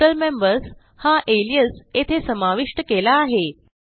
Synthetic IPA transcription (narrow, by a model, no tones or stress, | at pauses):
əlmembəɾs | haʔelijəset̪ʰesəmaʋiʂʈəkelaːɦe